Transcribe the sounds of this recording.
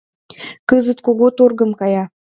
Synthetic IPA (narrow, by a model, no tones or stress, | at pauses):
kəzət̪koɣot̪orɡə̆mkɑjɑ